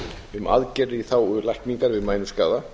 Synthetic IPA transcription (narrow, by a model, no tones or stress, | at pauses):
ʏmʔa̰ðcɛɾɪiθawʏlajhk̪niŋkaɾvɪðmaːjnʏmska̰ːða